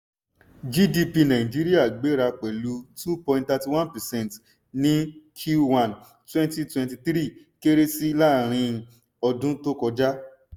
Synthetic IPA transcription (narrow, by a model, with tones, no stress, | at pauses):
d͡ʒi˦di˧pi˧nã˨ĩ˨d͡ʒi˦ɾi˦a˦˨ɡ͡be˨˦ɾa˧k͡pɛ˨lu˨˦tu˦pɔ̃˧ĩ˧nta˧ti˧wã˦npɛ˨sɛ̃˦˨nt | nĩ˦kʰju˦wã˨n | twɛ̃˦nti˧twɛ̃˧nti˧θɾi˦˨ | ke˦ɾe˦si˦i˦la˦˨ɾ̃ĩ˧ | ɔ˧dũ˦to˦kɔ˧d͡ʒa˦